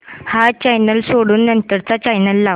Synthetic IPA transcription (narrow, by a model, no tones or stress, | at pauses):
hat͡ɕajnəlsoɽuːnːɐnt̪əɾt͡sat͡ɕajnəlːa